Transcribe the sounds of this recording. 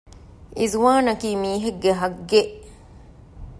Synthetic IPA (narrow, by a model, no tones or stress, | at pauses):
ʔizuʋaːnɐkiːmiːɦeɡːeɦɐɡːeʔ